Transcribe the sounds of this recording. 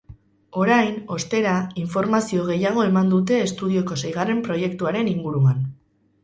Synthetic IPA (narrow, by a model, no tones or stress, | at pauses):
o̞ɾajno̞st̪e̞ɾaiɱfo̞ɾmasio̞ɣ̞e̞jaɣ̞o̞e̞mand̪ut̪̬e̞ːst̪uðio̞ko̞sejɣ̞arempɾo̞je̞kt̪uaɾe̞niŋɡuɾuan